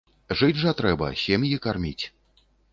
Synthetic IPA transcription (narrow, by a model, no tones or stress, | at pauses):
ʐɨd͡zʲʐɐt̪ɾɛbɐ̰sʲemjikarmʲit͡sʲ